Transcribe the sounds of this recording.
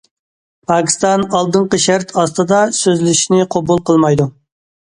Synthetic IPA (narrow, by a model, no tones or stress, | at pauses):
pʰɑkʲʰi̥st̪ɑnɑlˠd̪ɨɴqəʃæɾt̪ʰɑst̪ɨd̪ɑsøzlyʃinɪqʰobulˠqʰəlˠmɑjd̪u